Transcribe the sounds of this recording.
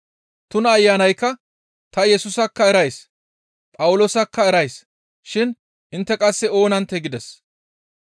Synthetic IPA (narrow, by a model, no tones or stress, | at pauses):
t̪ʊnɐːjːaːnɐjkːɐ | t̪ɐjɛsʊsɐkːɐɛɾɐjs | pʼɐwʊloːsɐkːɐɛɾɐjs | ʃɪn | ʔɪnt̪ːɛkʼɐsːɛo̞ːnɐnt̪ɛɡɪd̪ɛs